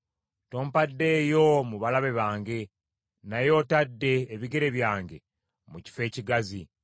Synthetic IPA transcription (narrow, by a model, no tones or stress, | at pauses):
to̞ːmpadːe̞ːjo̞muβalaβe̞βaːŋɡe̞ | najo̞ːtadːe̞ːβiɡe̞ɾe̞βjaːŋɡe̞ | muci̥fe̞ːciɡazi